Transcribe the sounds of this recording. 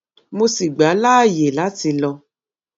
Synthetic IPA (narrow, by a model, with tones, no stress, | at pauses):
mo˧si˨ɡ͡ba˨˦laː˦˨je˨la˨˦ti˧lɔ˧